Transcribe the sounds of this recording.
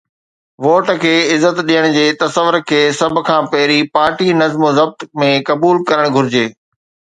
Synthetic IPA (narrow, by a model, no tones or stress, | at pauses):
ʋoːʈkʰeːɪzːət̪ɗijəɽ̃d͡ʑeːt̪ɐsəʋːʊɾkʰeːsɐbʱʊ̆kʰãːpɐɦɪɾipaːɾʈinɐzmozɐb̚t̪mẽkɐbuːlkɐɾəɽ̃ɡʱʊɾɪd͡ʑeː